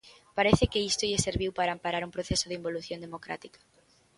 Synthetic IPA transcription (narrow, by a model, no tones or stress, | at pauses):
paɾeθɪkɪist̪oʎɪseɾβiwpaɾaːmpaɾaɾumpɾoθesoð̞eimboluθjond̪emokɾa̰t̪ikḁ